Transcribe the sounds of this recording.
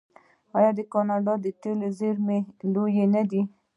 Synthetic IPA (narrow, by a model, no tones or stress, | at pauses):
ɑjɑd̪əkɑnɑɖɑd̪ət̪elezeɾmelojenad̪i